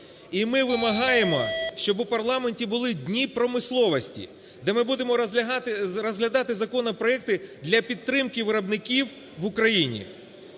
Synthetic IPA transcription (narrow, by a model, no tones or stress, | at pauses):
imɪʋɪmɐɦɑjemɔ̰ʃt͡ʃɔbʊpɐrlˠɑmenʲtʲibʊlˠɪdʲnʲipɾɔmɪslˠɔʋɔsʲtʲḭ | d̪ɛmɪbud̪emɔ | ɾɔzɦlʲɐd̪ɑt̪ɪzɐkɔnɐpɾɔɛk̚t̪ɪd̪lʲɐpʲit̪t̪ːɾɪmkɪʋɪɾɐbnɪkʲiw | ʋʊkɾɐjinʲḭ